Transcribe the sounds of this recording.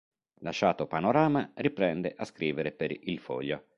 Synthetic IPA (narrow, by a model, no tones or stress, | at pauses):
laʃaːt̪opanoɾaːmaripɾɛnd̪eʔaskɾiːveɾepeɾilfɔ̰ʎːo